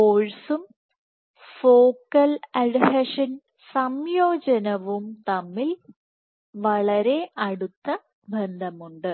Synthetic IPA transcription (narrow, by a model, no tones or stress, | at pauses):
poːɻsum | foːkːɐlɐɖɦɐʂɐn | sɐmjoːd͡ʑɐnɐʋumt̪ɐmːil | ʋɐɭɐɾe̞ʔɐɽut̪ːɐ | bʱend̪ʱɐmuɳɖɨ